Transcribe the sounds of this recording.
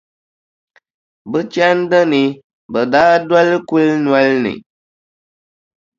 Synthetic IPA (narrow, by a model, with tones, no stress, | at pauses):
bɨ˦t͡ʃja˦n˦də˦ni˨ | bə˨daː˦da˦lku˦lnwa˦lnḭ˨